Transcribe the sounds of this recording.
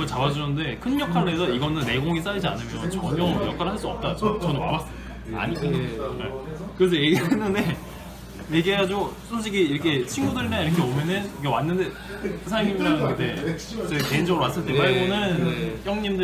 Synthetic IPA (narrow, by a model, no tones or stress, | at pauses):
ʌt͡ɕabad͡ʑunɯnde̞kʰɯnːʌkʰaɾoɦe̞sʰʌiɡʌnɯnːe̞ɡoŋis̬͈aɭd͡ʑia̰nɯmjʌnt͡ɕʌɲʌjʌkʰaɾɭhaɭs͈uʌp̚t͈ad͡ʑot͡ɕʌnɯnwa̰bas͈ɯ | a̰ɲinekɯɾe̞s̬ʰʌjeɡnɯnde | je̞ɡiɦe̞ɡad͡ʑiɡosʰonɕ̬ʰiɡiːɾʌkʰe̞t͡ɕʰinɡudɯɾinaiɾʌkʰeomjʌnɯnkewanːɯnde | sʰaɾaŋimidanɯne̞t͡ɕeke̞ind͡ʑʌɡɯɾowas͈ɯɭt͈epaɭɡonɯnçjʌŋɲimdɯ